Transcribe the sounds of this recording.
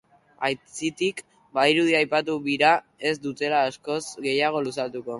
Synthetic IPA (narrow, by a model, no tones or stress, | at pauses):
ajt͡sit̪ik | baiɾuðiajpat̪̬uβiɾa | e̞zd̪ut̪e̞laːsko̞zɡe̞jaɣ̞o̞lusalt̪uko̞